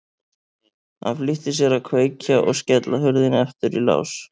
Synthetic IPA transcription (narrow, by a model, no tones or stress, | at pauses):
ha̰nflɪht̪ɪsjɛɾakʰveːjcaʔɔ̰ɣscɛt̪laɦʏɾðɪnɛft̪ʏɾila̰ːws